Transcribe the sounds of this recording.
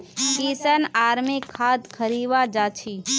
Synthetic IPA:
kiːsənaːɾmikʰːaːd̪kʰəɾiːʋaːd͡ʒaːt͡ʃʰiː

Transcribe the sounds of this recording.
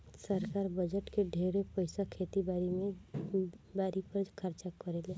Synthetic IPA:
səɾkaːɾbəd͡ʒəʈkeɖʱeːɾepəɪsakʰeːt̪ibaɾimẽ | baːɾipəɾkʰəɾt͡ʃakəɾeːle

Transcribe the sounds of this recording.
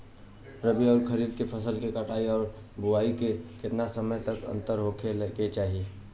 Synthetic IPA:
ɾəbiɔːɾkʰəɾiːd̪̚kepʰɐsəlkekɐʈaːiɔːɾ | bʊaːikekɪt̪nasəməjt̪ɐkɐ̰̃nt̪əɾɦokʰelket͡ʃaːɦie

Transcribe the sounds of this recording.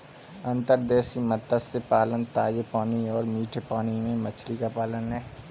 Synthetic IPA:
ə̃nt̪əɾd̪ɛːʃkimɐt̪ːəsːepaːlənt̪aːd͡ʒepaːniɔːɾmiːʈʰepaːnimẽmɐt͡ʃʰlikapaːlənɦɛː

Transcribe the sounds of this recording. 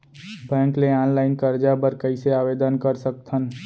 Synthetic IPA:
bɛ̃ŋkleanlaɪnkəɾd͡ʒabəɾkəɪseabed̪ənkəɾsək̚t̪ʰən

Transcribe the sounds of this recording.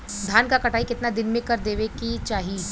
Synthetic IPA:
d̪ʱaːnkakɐʈʰaːikɪt̪nad̪ɪnmẽkɐɾd̪eːʋekit͡ʃaːɦi

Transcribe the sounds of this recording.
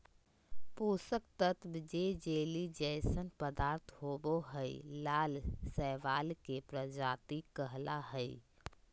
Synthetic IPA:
puːsək̚t̪ət̪bɪd͡ʒed͡ʒeːlid͡ʒɛːsənpəd̪aːɾt̪ʰɦoːboɦəilaːlsɛːʋaːlkepɾəd͡ʒaːt̪ikəɦlaɦɛi

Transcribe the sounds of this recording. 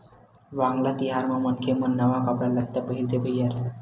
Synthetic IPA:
ʋaŋɡlat̪iɦaɾmamənkʰemənːəʋakəpɽalək̚t̪abəɦiɾd̪ebəjaɾʰ

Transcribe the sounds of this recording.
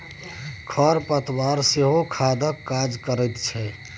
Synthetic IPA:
kʰəɾpət̪waɾseɦokʰad̪əkːad͡ʒkəɾɛt̪t͡ʃʰɛ

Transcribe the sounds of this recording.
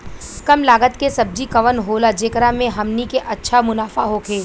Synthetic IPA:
kɐmlaːɡət̪kesɐb̚d͡ʒikɐʋənɦoːlad͡ʒeːkɾamẽɦɐmnikeʔɐtːʃʰamʊnaːfaɦoːkʰeː

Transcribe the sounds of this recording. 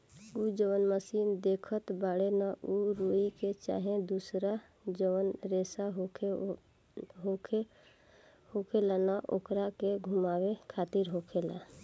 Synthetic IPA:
ud͡ʒəwənməsiːnd̪eːkʰət̪baːɽenaʔuɾuiket͡ʃa̰ːɦẽd̪usɾa | d͡ʒəʋənɾeːsaɦ | ɦokʰ | hokʰelanaʔo̰ːkɾakeɡʱumaːwekʰaːt̪ɪɾɦokʰela

